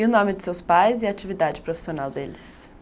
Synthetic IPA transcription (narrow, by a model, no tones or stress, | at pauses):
unɔmid̪i̥sewspajziat͡ʃʰivid̪ad͡ʒipɾofi̥sio̞nalˠʲd̪elʲis